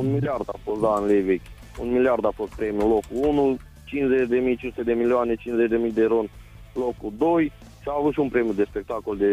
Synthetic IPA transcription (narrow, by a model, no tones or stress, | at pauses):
unmiliard̪afo̞st̪d̪anlevekʲ | ṵnmiliard̪afo̞st̪̚pɾe̞mijulo̞kuunu | t͡ʃinszet͡ʃʲd̪e̞mijt͡ʃinsut̪ed̪e̞milioane̞t͡ʃinzet͡ʃd̪e̞mijd̪e̞ɾonʲ | lokud̪oj | ʃiaːvut̪ʃiunpɾe̞mijud̪e̞spe̞k̚t̪ako̞ld̪e